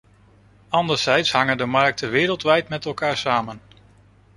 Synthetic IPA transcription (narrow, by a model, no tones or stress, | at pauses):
ɑndəɹzɛjtsɦɑŋəndəmɑɹk̚təʋɪːɾəlˠtʋɛjtmɛtɛlˠkaːɹsaːmən